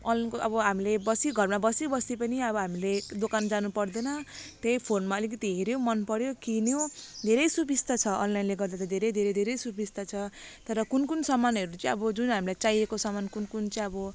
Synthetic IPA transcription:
ʌlkoʔʌbʌɦamilebʌsiɡʱʌrmabʌsibʌsipʌniʌbʌɦamiled̪okand͡zanupʌrd̪ʌnʌt̪ejpʰonmaʌlikʌt̪iɦeɾjomʌnpʌɽjokinjod̪ʱeɾʌjsubʱist̪at͡sʰʌʔʌ̰nlajnleɡʌrd̪at̪ʌd̪ʱeɾʌjd̪ʱeɾʌjd̪ʱeɾʌjsubʱist̪at͡sʰʌt̪ʌɾʌkunkunsʌmanɦʌɾut͡sʌ̃ĩʌbʌd͡zunɦamilajt͡saijekosʌmankunkunt͡saĩʌbʌ

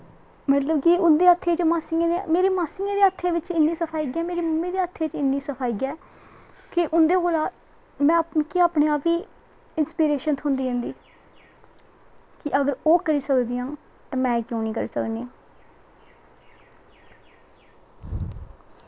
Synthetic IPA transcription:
mət̪ləbkiʊnd̪eːət̪ʰːeːt͡ʃmaːsiːãemeːɾeːmaːsɪiːãːd̪eːət̪ʰːeːʋɪt͡ʃɪnːĩːsəpʰaːiːɡɛːmeːɾiːmʊmiːd̪eːət̪ʰːeːt͡ʃɪnːiːsəpʰaːiɡɛː | kɪʔʊnd̪eːkoːlaː | mɛ̃ːkiaːpɳẽːaːpʋiː | ɪnspiːɾeːʃənt̪ʰɦʊnd̪iːɦẽnd̪iː | kɪʔəɡəɾoːkəɾiːsəkd̪iːɦãː | t̪ãːmɛ̃ːkjõːniːkəɾiːsəkniːãː

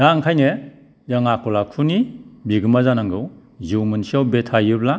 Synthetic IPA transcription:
daŋkʰajne | jaŋakʰɔlakʰunibiɡɯmazanaŋɡɯw | ziwmɯnsiawbetʰajɯp̚la

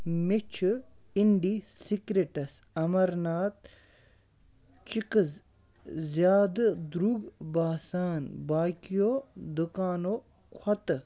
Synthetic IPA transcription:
met͡ʃʰ | iɳɖiːsikɾeʈɐsɐmɐɾnaːt̪ | t͡ʃikɨz | zjaːd̪d̪ɾuːɡbaːsaːnbaːkijoːd̪ukaːnoː | kʰwɐt̪

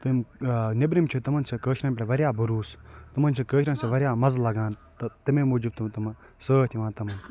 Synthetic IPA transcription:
t̪ɨmnibɾimt͡ʃʰut̪ɐmɐnsʰɐkəːʃɾɐnpʲlʲeʋɐɾʲjaːbuɾuːst̪ɐmɐnt͡ʃʰikəːʃɾɐnseʋɐɾʲjaːmɐzlɐɡãːnt̪ɨt̪ɐmemuːd͡ʒib̚t̪umt̪ɐmɐn | səːt̪ʰiʋãːnt̪ɐmɐn

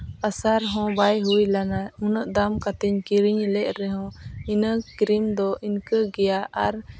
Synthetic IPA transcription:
asaɾɦɔ̃bajɦujlanaunəʔd̪amkat̪ɛɲkiɾiɲlɛʔ̚ɾɛɦɔ̃inəkɾimd̪ɔʔinkəɡɛjaʔaɾ

